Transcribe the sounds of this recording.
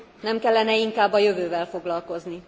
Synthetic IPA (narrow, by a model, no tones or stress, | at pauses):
nɛmkɛlːɛnɛiŋkaːbːɒjøvøːvɛlfo̞ɡlɒlko̞zni